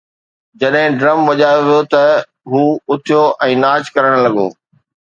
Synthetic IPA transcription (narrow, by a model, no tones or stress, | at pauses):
d͡ʑɐɗɦɪ̃ɖɾɐmʋɐʄaːjoʋijot̪ɐ | ɦuːʊt̪ʰijoʔɛ̃ːnaːt͡ɕkɐɾəɽ̃lɐɠo̰ː